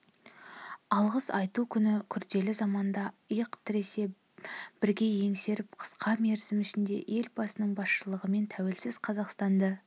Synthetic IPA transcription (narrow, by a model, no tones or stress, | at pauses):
ɑlˠʁəsɑjt̪ukʲʰʏnɪkʲʰʏɾd̪e̞lɪzɑmɑnd̪ɑəjəqt̪ʰɪɾe̞se̞ | b̥ɪɾɡʲe̞je̞ŋse̞ɾɪp̚qʰə̥sqɑme̞ɾzɪmʏʃɪnd̪e̞̰ʔe̞lbɑsənəɴbɑsʃəlˠəʁəme̞nt̪ʰæwe̞lsɪz̥qʰɑzɑqst̪ɑnd̪ə